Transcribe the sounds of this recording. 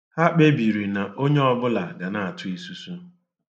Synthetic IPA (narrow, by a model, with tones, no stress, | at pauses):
ha˦k͡pe˦bi˨ɾi˨na˨ʔo˦ɲe˦ɔ˦bʊ˦la˨ɡa˨na˨a˨tʰʊ˦i˨su˦su˦